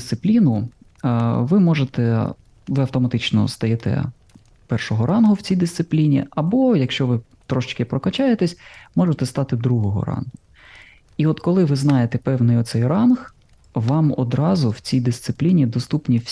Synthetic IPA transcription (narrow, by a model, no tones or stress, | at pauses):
st̪sɪplʲinʊ | ʋɪmɔʒet̪ɛ | ʋɪɐwt̪ɔmɐt̪ɪt͡ʃnɔ̰st̪ɐjɛt̪ɛ̰ | pɛrʃɔɦɔɾɑnɦʊwt͡sʲijd̪ɪst̪sɪplʲinʲḭɐbɔjɐkʃt͡ʃɔʋɪ | t̪ɾɔʃt͡ʃkɪpɾɔkɐt͡ʃɑjet̪esʲmɔʒet̪ɛst̪ɑt̪ɪd̪ɾuɦɔɦɔ̰ɾɑ̰nɦʊ | iɔt̪kɔlˠɪʋɪznɑjet̪ɛpɛwnɪjɔt̪sɛjrɑnx | ʋɑmɔ̰d̪ɾɑzʊwt͡sʲijd̪ɪst̪sɪplʲinʲid̪ɔst̪upnʲiwʲ